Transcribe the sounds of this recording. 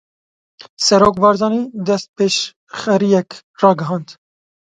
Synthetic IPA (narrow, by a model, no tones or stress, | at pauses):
sɛɾoːkbɑːɾzɑːniːd̪ɛst̪̚peːʃ | xɛɾijɛk | rɑːɡɨɦɑːnd̪